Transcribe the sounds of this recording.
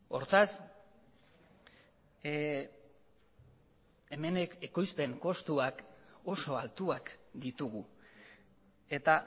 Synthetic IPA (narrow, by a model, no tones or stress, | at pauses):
o̞ɾt̪as | e̞me̞neke̞ko̞jspe̞ŋko̞st̪uako̞so̞alt̪uakd̪it̪uɣ̞u | e̞t̪a